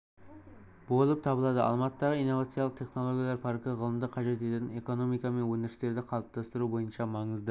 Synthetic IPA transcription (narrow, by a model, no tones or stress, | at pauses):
bo̞lˠəp̚t̪ʰɑbəlˠɑd̪əʔɑ̰lˠmɑt̪əd̪ɑʁəijnːo̞vɑt̪sɨjɑlˠəqt̪ʰe̞χno̞lˠo̞ɡʲijɑlˠɑɾpʰɑɾkʲɪʁəlˠəmd̪əqʰɑʒe̞t̪et̪et̪ɪne̞ko̞no̞mijkɑme̞nwɵneɾɪst̪e̞ɾd̪ɪqʰɑlˠəp̚t̪ʰɑst̪əɾubo̞jənʃɑmɑɴəzd̪ə